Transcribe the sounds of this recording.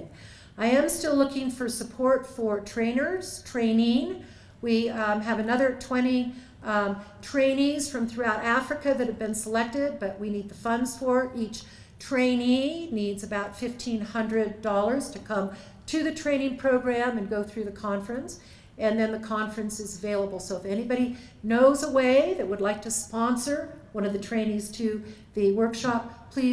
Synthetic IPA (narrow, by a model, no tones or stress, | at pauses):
aɪɨ̃mstɪlʊkɪ̃ŋfə˞səpʰɔɹtfə˞tʰɹ̥ẽɪ̃nə˞z̥tʰɹ̥ẽɪ̃nɪ̃ŋ | wiɨvɨnʌðə˞tʰw̥ɛ̃ɾ̃i | tʰɹ̥ẽɪ̃nĩz̥fɹʌ̃mθɹʉaʊɾæfɹɨkɨðɨt̚hɨvbɨ̃nsəlɛk̚tɪd̚bʌʔ̚winid̪̚ðəfʌ̃ndz̥fə˞ʔit͡ʃ | tʰɹ̥ẽɪ̃ninidzɨbaʊtfɪftʰĩnhʌ̃ndɹɨddɔlˠə˞z̥tʰɨkʰʌ̃m | tʰɨðɨtʰɹ̥ẽɪ̃nɪ̃ŋpʰɹ̥oʊɡɹæ̃mɨ̃nɡoʊθɹʉðɨkʰɑ̃ɱfɹɨ̃ns | ɨ̃nðɨ̃nðɨkʰɑ̃ɱfɹɨ̃nsɨzəveɪlˠəbl̩ˠsoʊəfɛñibɑɾi | noʊzəweɪðɨt̚wədˡlaɪk̚tʰɨspɑ̃nsə˞wʌ̃nʌvðɨtʰɹ̥ẽɪ̃nĩz̥tʰɨ | ðɨwɜ˞kʃɑp̚ʰl̥i